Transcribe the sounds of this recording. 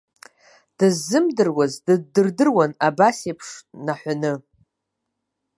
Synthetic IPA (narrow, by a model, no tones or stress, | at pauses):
d̥ɨzːɨmdɨrwazdɨdɨrdɨrwanabasepʰʂnaħʷanɨ